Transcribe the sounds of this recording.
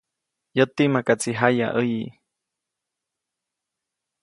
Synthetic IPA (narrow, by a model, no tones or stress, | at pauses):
jot̪imakat͡siɦaja̰ʔəji